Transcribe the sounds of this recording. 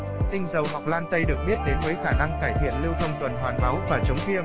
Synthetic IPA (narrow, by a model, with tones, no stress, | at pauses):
t̪ï˧ŋ̟zə˨˩wɦa˨˩wk͡p̚laː˧nt̪ə˧jɗɨ˨˩ək̚ɓi˦˥t̚ɗe˨˦nvəː˨˦jxaː˧˩na˧ŋkaː˧˩jt̪ʰḭ˧˨ənli˧əwt̪ʰə˧wŋ͡mt̪wə˨˩nɦwaː˨˩nma˨˦wvaː˨˩t͡ɕə˨˦wŋ͡mvi˧əm